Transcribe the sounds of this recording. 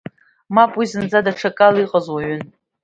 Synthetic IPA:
mapʼwizɨnd͡zadaʈ͡ʂʰakʼaliqʼəzwaɥʏn

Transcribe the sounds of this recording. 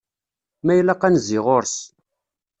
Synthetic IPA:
mæjlæqːænziʁoɾs

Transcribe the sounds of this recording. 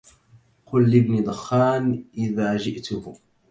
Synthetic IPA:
qʊlːɪbniːd̪ˤʊxːaːnʔɪðaːd͡ʒɪʔt̪ʊh

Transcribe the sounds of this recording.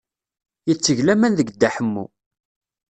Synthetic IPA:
jət͡sːəʝlæmænðəɡd̪ːaħəmːṵ

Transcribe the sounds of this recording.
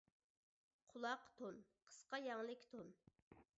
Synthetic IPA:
qʰʊlˠɑqt̪ʰonqʰə̥sqɑjɑŋlˠɪkʲt̪ʰon

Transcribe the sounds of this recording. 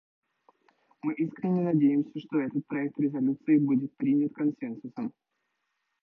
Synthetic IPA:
mɨʔiskɾʲɪnʲːɪnɐdʲejɪmsʲəʂt̪oɛt̪ət̪̚pɾɐɛk̚t̪ɾʲɪzɐlʲut̪sɨɪbudʲɪt̪̚pɾʲinʲət̪kɐnsɛnsʊsəm

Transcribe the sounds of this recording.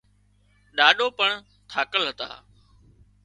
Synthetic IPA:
ɗaːɗoːpəɳ | t̪ʰaːkəlɦət̪a̰ː

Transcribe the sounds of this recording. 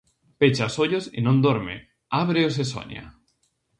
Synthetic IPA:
pet͡ʃasoʎosḭnõnd̪oɾmḛ | aβɾeos̬es̬o̰ɲa̰

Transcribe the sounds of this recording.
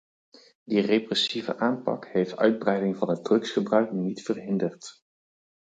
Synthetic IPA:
direprɛsivə̰ʔaːnpɑ̰kɦejftœ̰ɥd̚brɛjdɪŋvɑnɦət̚drɵksχəbrœɥk̚nnitfərɦɪndərt

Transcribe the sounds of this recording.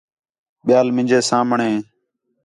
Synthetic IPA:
ɓɪjaːlmɪ̃d͡ʒeːsãːmɳẽː

